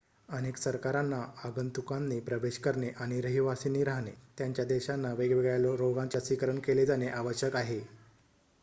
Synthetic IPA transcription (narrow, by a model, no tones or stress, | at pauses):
əneksəɾkaɾanːaaɡənt̪ukanːiːpɾəʋeɕkəɾɳeʔaɽ̃iɾəɦiʋasiniːɾaɦɳet̪jaɲt͡ɕjad̪eɕanːaʋeɡʋeɡɭaloɾoɡãɲt͡ɕasʋikəɾəɳkeled͡zaneʔaʋəɕəkaɦe